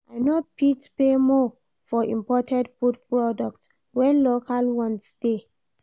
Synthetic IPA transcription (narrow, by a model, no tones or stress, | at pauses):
ʔaɪnopitpemɔ | fɔḭ̃mpɔtʰɛ̃dputpɹɔdɔk̚t | wɛ̃nlokʰalwɔ̃nsde